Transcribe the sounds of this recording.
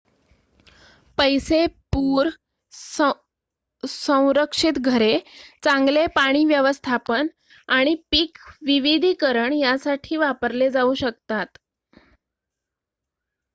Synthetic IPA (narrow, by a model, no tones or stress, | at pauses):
pəjsepuːɾ | sə̃w̃ɾəkʂit̪ɡʱəɾet͡sãŋɡlepaɽ̃iːʋjəʋəst̪ʰapən | aɽ̃ipiːkʋiʋid̪ʱiːkəɾəɳjasaʈʰiːʋapəɾled͡zauɕək̚t̪at̪